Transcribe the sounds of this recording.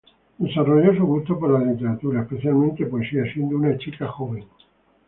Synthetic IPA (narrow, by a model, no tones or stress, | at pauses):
d̪esaroʝos̬uɣust̪opoɾlalit̪eɾat̪uɾaespe̞θjalmẽnt̪epoesiasje̞nd̪ounat͡ʃikaxoβeŋ